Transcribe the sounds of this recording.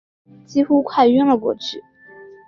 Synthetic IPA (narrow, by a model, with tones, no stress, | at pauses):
t͡ɕi˥xu˥kʰwa˥˧ɪy˥ŋlə˨kwɔ̰˥˩ʈ͡ʂɻ̩˥˩